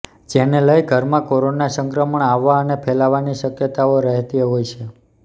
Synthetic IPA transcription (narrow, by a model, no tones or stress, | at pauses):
d͡ʒeneləjɡʱəɾmãkoɾonasəŋkɾəməɳaʋːaənepʰelaʋaniʃəkjət̪aoɾəɦt̪iɦojt͡ʃʰe